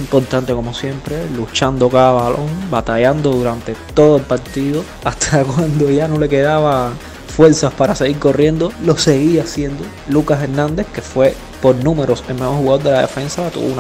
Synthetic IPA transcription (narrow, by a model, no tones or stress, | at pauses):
impo̞ɾt̪ãnt̪eko̞mo̞sje̞mpɾe̞lut͡ʃand̪o̞kaaβalo̞ŋbat̪ajand̪o̞ðuɾant̪e̞t̪o̞ðoe̞lpaɾt̪iðo̞ | ast̪ʰakwand̪o̞ʝano̞le̞ke̞ðaβa | fwe̞ɾsaspaɾaseɣiɾko̞rje̞nd̪o̞lo̞se̞ɣiasje̞nd̪o̞ | lukase̞ɾnãnd̪e̞hke̞fwe̞ | po̞ɾnũme̞ɾo̞selmemohuɣaðoɾd̪elaðefe̞nsat̪ṵβ̰un